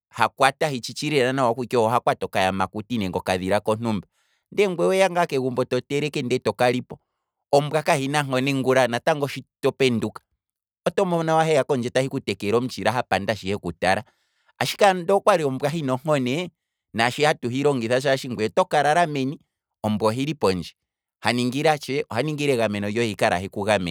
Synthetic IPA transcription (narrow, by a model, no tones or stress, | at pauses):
hakwatahit͡ʃit͡ʃiɾɛɾanawakukiɔhɔɦakwatɔkajamakutinɛŋɡɔkaðiɾakɔn̥umba | ndɛŋɡwɛwɛjaŋɡakɛɣumbɔtɔtɛɾɛkɛndɛtɔkaɾipɔ | ɔm̩bwakahinaŋ̥ɔnɛŋɡuɾanataŋɡɔʃitɔpɛndukḁ | ɔtɔmɔnawaɦɛjakɔnd͡ʒɛtahikutɛkɛɾɔm̩t͡ʃiɾaɦapandaʃihɛkuta̰ɾa | a̰ʃi̥kandɔkwaɾiɔm̩bwaɦinɔŋ̥ɔnɛ | naʃihatuɦiɾɔŋɡiθaʃ̬aʃiŋɡwɛtɔkaɾaɾamɛni | ɔmbwɔɦiɾipɔnd͡ʒɛ | haniŋɡiɾat͡ʃɛɔhaniŋɡiɾɛɣamɛnɔjɔjikaɾʔa̰ɦikuɣamɛ̰